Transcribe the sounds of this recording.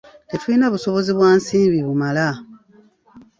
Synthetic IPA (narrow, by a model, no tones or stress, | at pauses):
etwuinaβuso̞βo̞ziβwaːnsiːmbiβumala